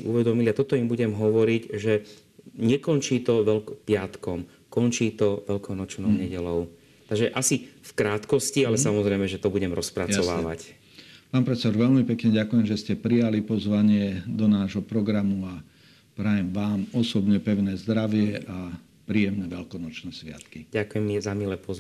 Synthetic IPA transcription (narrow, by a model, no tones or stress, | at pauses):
iʔuʋɛd̪ɔmiliat̪ɔt̪ɔimbuɟɛmɦɔʋɔɾiɟʒɛ | ɲɛkɔnt͡ʃiːt̪ɔʋɛlkɔpɪat̪kɔm | kɔnt͡ʃiːt̪ɔʋɛʎkɔʊnɔt͡ʃnɔʊɲɛɟɛlɔʊ | t̪aɡʒɛʔasifkɾaːt̪kɔscialɛsamɔzɾɛɪmɛʒɛt̪ɔbuɟɛmɾɔspɾajt͡saɔʋa̰ːʋa̰c | paːnpɾɛt͡sɛd̪ɔɾʋɛlmipɛkɲɛɟakujɛmʒɛscɛpɾijalipɔzʋaɲɪɛd̪ɔnaːʒɦɔpɾɔɡɾamua | pɾajɛmʋaːmɔsɔbɲɛpɛʊnɛːzd̪ɾaʋɪɛʔa | pɾiːjɛmnɛʋɛlkɔnɔt͡ʃnɛːsʋɪa̰t̪kiɟakujɛmːizamilɛpɔz